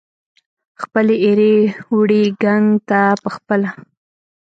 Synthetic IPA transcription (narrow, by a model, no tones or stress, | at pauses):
xpəleeɾewɽeɡaŋɡt̪apəxpəla